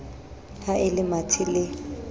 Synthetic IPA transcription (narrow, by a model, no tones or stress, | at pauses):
haʔɪlɪmatʰɪlɪ